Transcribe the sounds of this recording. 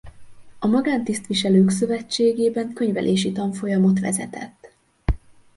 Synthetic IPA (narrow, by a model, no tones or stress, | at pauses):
ɒmɒɡaːnt̪ist̪ʋiʃɛløːksø̞vɛt͡ʃːeːɡeːbɛŋkø̞ɲvɛ̰lʔeːʃit̪ɒɱfo̞jɒmo̞t̪ʋɛ̰zɛt̪ɛ̰t̪ː